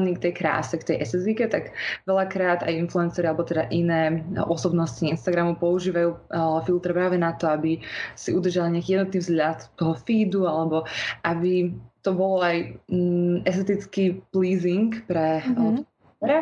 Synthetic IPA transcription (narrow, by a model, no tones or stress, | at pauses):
niːkt̪ɛjkɾa̰ːsɛkt̪ɛjʔɛsɛzikɛt̪aɡʋɛʎakɾaːd̪a̰jinfluɛnsɛɾialɛbɔt̪ɛd̪aʔinɛːʔɔsɔbnɔsciinst̪aɡɾamupɔuʒiːʋajuːfilt̪ɾpɾaːʋɛnat̪ɔabisiʔud̪r̩ʒaliɲɪakijɛd̪nɔt̪niːvzɦʎat̪t̪ɔɦɔfiːd̪ualɛbɔʔabit̪ɔbɔlɔaj | ɛst̪ɛt̪it͡skiːpliːziŋkpɾɛ | ɾa